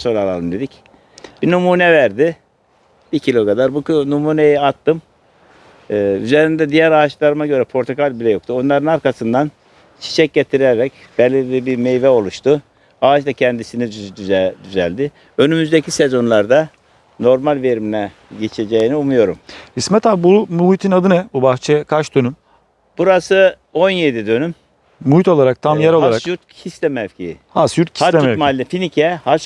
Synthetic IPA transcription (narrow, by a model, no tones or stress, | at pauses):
so̞ɾalˠa̰lˠɯmd̪e̞d̪ic | b̥inumuːnɛvæɾd̪ɪ | b̥icʰilʲo̞kad̪aɾbuknumuːnejɛat̪ːɯm | yze̞ɾind̪ɛd̪ijæɾaːt͡ʃlˠaɾɯmaɟø̞ɾɛpʰo̞ɾt̪ʰokʰalʲbilʲɛjo̞k̚t̪ʰuo̞nlˠaɾɯnaɾkasɯnd̪an | t͡ʃʰi̥t͡ʃʰɛc̚ɟet̪ʰiɾɛɾɛc | b̥ɛlʲːiɾlʲibiɾmejvɛo̞lˠuʃt̪ʰu | aːt͡ʃd̪acʰɛnd̪isiniyd̪yd̪yzælʲd̪ɪ | ø̞nymyzd̪ecʰisezo̞nlˠaɾd̪a | no̞ɾmalʲve̞ɾiminɛ | ɟet͡ʃʰed͡ʒejiniumujo̞ɾumhismɛt̪ʰabbumuit̪ʰinad̪ɯnɛbubaxt͡ʃʰɛjɛkʰaʃt͡ʃd̪ønym | b̥uɾasɯ | o̞njed̪id̪ø̞nym | muit̪o̞lˠaɾak̚t̪ʰamjaɾolˠaɾakjuɾt̪̚cʰist̪ɛmɛvcʰihasjuɾt̪̚cʰist̪ɛmɛmalʲːɛfinicʰɛhat͡ʃ